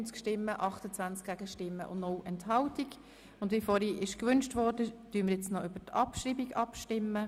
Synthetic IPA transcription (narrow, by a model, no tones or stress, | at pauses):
nt͡skʃtɪmːəʔɑχtət͡sʋant͡skɡ̥æɡəʃtɪmːə̰ʔʊ̰nnowʔɛnthɑltiɡ | ʊndvifɔːɾiːʔɪʃkʋʏnʃtʋɔːɾdətyənməɾjɛt͡snɔʔʏb̥ətɑpʃɾiːbiɡɑpʃtɪmːə